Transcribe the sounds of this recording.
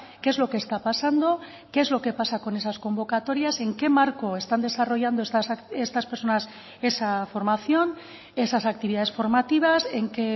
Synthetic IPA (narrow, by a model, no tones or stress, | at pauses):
keezlo̞ke̞ːst̪apasand̪o̞ | keeːzlo̞ke̞pasako̞ne̞sasko̞mbo̞kat̪o̞ɾjase̞ŋke̞maɾko̞e̞st̪and̪e̞saro̞ʝand̪oesase̞st̪aspe̞ɾso̞nas | e̞safo̞ɾmaθjo̞n | e̞sasak̚t̪iβiðaðe̞sfo̞ɾmat̪iβ̞ase̞ŋke̞